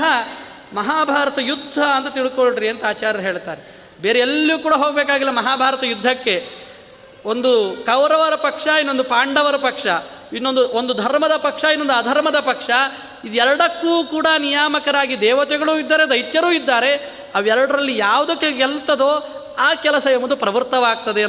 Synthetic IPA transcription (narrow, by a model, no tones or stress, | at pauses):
ɦɐ | mɐɦaːbʱaːɾɐt̪ɐjud̪ʱːɐːnt̪ɐt̪iɭikoɭɖɾiɐnt̪ɐaːt͡ʃaːɾjɐɐɦe̞ːɭt̪aːɾe | beːɾeelːiuːkuːɽɐɦoːɡbeːkaːɡilːɐmɐɦaːbʱaːɾɐt̪ɐjud̪ʱːɐkːe̞ | o̞nd̪ukɐʋɾɐʋɐɾɐpɐkʂɐinːo̞nd̪upaːɳɖɐʋɐɾɐpɐkʂɐ | inːond̪uond̪ud̪ʱɐɾmɐd̪ɐpɐkʂɐinːo̞nd̪uɐd̪ʱɐɾmɐd̪ɐpɐkʂɐ | id̪ɛɾɐɽɐkːuːkuːɽɐnijaːmɐkɐɾaːɡid̪ɛːʋɐt̪ɛɡɐɭuːid̪ːaːɾed̪ɐjt̪jɐɾuːid̪ːaːɾe̞ | ɐʋɛɾɐɽɐɾɐlːijaːʋud̪ɐkːeɡɛlt̪ɐd̪oː | aːkɛlɐsɐemɐd̪upɾɐʋɐɾt̪ɐʋaːɡ̚t̪ɐd̪e